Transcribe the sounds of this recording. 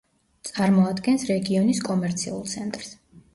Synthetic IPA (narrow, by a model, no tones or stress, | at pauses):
t̪sʼaɾmɔad̪ɡɛnsɾɛɡiɔniskʼɔmɛɾt̪sʰḭulˠt̪sʰɛnt̪ʼɾs